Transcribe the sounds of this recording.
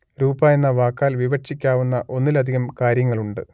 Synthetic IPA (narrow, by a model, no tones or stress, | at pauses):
ɾuːbaːjenːɐʋaːkːaːlʋiʋɐʈʂikʲːaːʋunːɐʔo̞nːilɐd̪ʱiɣɐmkaːɾjɐŋːɐɭuɳɖɨ